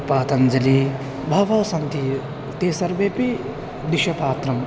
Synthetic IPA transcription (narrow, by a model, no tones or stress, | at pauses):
paːt̪ɐnd͡ʒɐli | bʱɐʋɐːsɐnt̪i | t̪eːsɐɾʋeːpi | d̪iʃɐpaːt̪ɾɐm